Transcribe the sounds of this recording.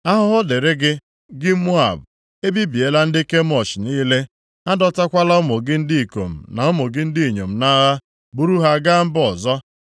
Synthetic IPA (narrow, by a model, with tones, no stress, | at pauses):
a˦ɦʊ˦ɦʊ˦de˨ɾe˦ɡɪ˦ | ɡɪ˦mo˦a̰˨b | e˦bi˦bi˨e˨la˦n̩˦dɪ˦ke˦m˦ɔ˨ʃniː˦le˦ | a˦dɔ˦ta˦kʷa˦la˦ʊ˦mo˨ɡɪ˦n̩˦dɪ˦i˨ko˨m̩˨na˨o˦mo˨ɡɪ˦n̩˦dɪ˦i˨ɲo˨m̩˨na˦ɣa˦ | bu˦ɾu˦ɦa˦˨˦ɡa˦m̩˦bɔ˨zɔ˦